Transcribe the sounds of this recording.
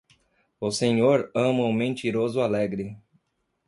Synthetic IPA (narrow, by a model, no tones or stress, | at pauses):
ʊseɲoɾɐ̃mɐũmẽnt͡ʃ̪iɾozʊalɛɡɾɪ